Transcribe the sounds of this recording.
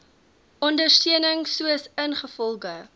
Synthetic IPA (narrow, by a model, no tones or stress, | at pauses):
ʔɔndərstiənəŋsuəsənχəfɔlˠɡə